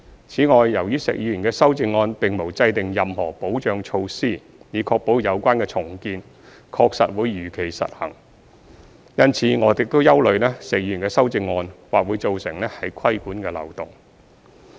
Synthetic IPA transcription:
t͡sʰiː˨˥ŋɔː˨˧jːɐ˨˩wjyː˥sɪ̰˨˩k̚jy˨˩nkɛː˧sɐ˥wt͡sɪ˧ŋːɔː˧npɪ˨ŋmo˨˩wt͡sɐ˧jt̪ɪ˨ŋjɐ˨mhɔː˨˩po˨˥wt͡ʃœː˨˧ŋt͡ʃʰo˧wsiː˥˩ | jiː˨˧kʰɔː˧k̚po˨˥wjɐ˨˧wkʷaː˥nkɛː˧t͡sʰʊ˨˩ŋkiː˧n | kʰɔː˧k̚sɐ̰˨t̚wuː˨˧jːyː˨˩kʰe˨˩jsɐ̰˨t̚hɐ̰˨˩ŋ | jɐ˥nt͡sʰiː˨˥ŋɔː˨˧t͡sɪ˨k̚t̪o˥wjɐ˥wlɵ˨ɥlɛː˥sɪ˨k̚jiyː˧˨˩nkɛː˧sɐ˥wt͡sɪ˧ŋːɔː˧nwaː˨k̚wuː˨˧jt͡so˨wsɪ˨˩ŋlɛː˥hɐ˨˥jkʰɐ˥jkuː˨˥nkɛː˧lɐ̰˨wt̪ʊ˨ŋ

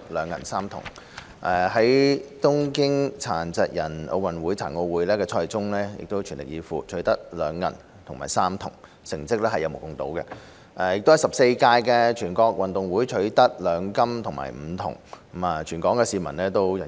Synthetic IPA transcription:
lœː˨˧ŋjɐ˨˩nsaː˥mt̪ʰʊ̰˨˩ŋ˩ | ʔɛ˨˩ɦɐ˨˥jt̪ʊ˥ŋkɪ˥ŋt͡sʰaː˨˩nt͡sɛ˧k̚jɐ˨˩nʔo̰˧wɐ˨nwuː˨˥jt͡sʰaː˨˩nko˧wuː˨˥jlɛː˥kɛː˧t͡sʰɔː˧jɪ˨˩t͡sʊ˥ŋlɛː˥jɪ̰˨k̚t̪o˥wt͡ʃʰyː˨˩nlɪ˨˩k̚jiː˨˧fuː˨t͡ʃʰɵ˨˥t̪ɐ˥t̚lœː˨˧ŋjɐ̰˨˩n | t̪ʰʊ˨˩ŋma̰ː˨˩jsaː˥mt̪ʰʊ̰˨˩ŋ | sɪ˨˩ŋt͡sɪ˥k̚lɛː˥hɐ˨jːɐ˧mo˨˩kʊ˨ŋt̪o̰˨˥wkɛ˧ | ʔɛː˧jɪ˨k̚t̪o˥whɐ˨˩jsɐ˨p̚se˧jkaː˧jkɛː˧t͡ʃʰyː˨˩kɔː˧k̚wɐ˨nt̪ʊ˨ŋwuː˨˥jt͡ʃʰɵ˨˥ɥt̪ɐ˥t̚lœː˨˧ŋkɐ˥mt̪ʰʊ˨˩ŋma̰ː˨˩jm̩ː˨˧t̪ʰʊ̰˨˩ŋ˨˥ | maː˧t͡ʃʰyː˨˩nkɔː˨˥ŋkɛː˧siː˨˧mɐ˨˩nlɛː˥t̪o˥wjɐ˨˩

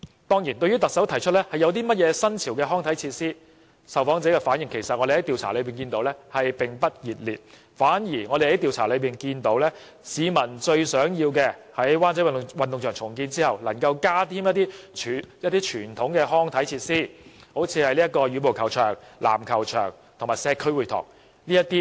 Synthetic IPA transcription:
t̪ɔː˥ŋjiː˨˩nt̪ɵ˧ɥyː˥t̪ɐ˨k̚sɐ˨˥wt̪ʰɐ˨˩jt͡ʃʰɵ˥lɛː˥hɐ˨jɐ˧wt̪̬iː˥mɐ˥t̚jɛː˨˧sɐ˥nt͡sʰiː˨˩wkɛː˧ɦɔː˥ŋt̪ʰɐ˨˥jt͡sʰiː˧t̚siː˥ | sɐ˨wfɔː˨˥ŋt͡sɛː˨˥kɛː˧faː˨˥njɪ˨˩ŋkʰe˨˩jsɐ˨t̚ɔː˧de˨˩hɐ˨˥jt̪iː˨˧wt͡sʰaː˨˩lɵ˨˧ɥpiː˨˩nkiː˧nt̪o˨˧˥wlɛː˥hɐ˨jpɪ˨ŋpɐ˥t̚jiː˨˩t̚liː˨˩t̚ | faː˨˥njiː˨˩ŋɔː˨˧ɾe˨jhɐ˨˥jt̪i˨˧wt͡sʰa̰ː˨˩lɵ˨˧ɥpiː˨nkiː˧nt̪o˨˧˥wlɛː˥ | siː˨˧mɐ˨˩nt͡ʃɵ˧ɥsœː˨˥ŋjiː˧wkɛː˧hɐ˨˥jwaː˥nt͡sɐ˨˥wwɐ˨nt̪ʊ˨ŋsœː˨˩ŋt͡sʰʊ˨˩ŋkiː˧nt͡siː˥hɐ˨˩wlɐ˨˩ŋkɐ˧wkaː˥t̪ʰiː˥mjɐ˥t̪̚ːiː˥˨jɐ˥t̪̚ːiː˥t͡ʃʰyː˨˩nt̪ʰʊ˨˥ŋkɛː˧ɦɔː˥ŋt̪ʰɐ˨˥jt͡sʰiː˧t̚siː˥ho˨˥wt͡sʰiː˨˧hɐ˨jliː˥ɐ˥t̚kːɔː˧jyː˨˧˥po˨˩wkʰɐ˨˩wt͡ʃʰœ̰ː˨˩ŋla̰ː˨˩mkʰɐ˨˩wt͡ʃʰœ̰ː˨˩ŋ | t̪ʰʊ˨˩ŋmaː˨jsɛː˧kʰːɵ˥ɥwu˨jt̪ʰɔ̰ː˨˩ŋ | liː˥ɐ˥t̪iː˥

